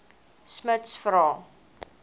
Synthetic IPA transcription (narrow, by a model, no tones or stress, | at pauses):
smətsfɾɔ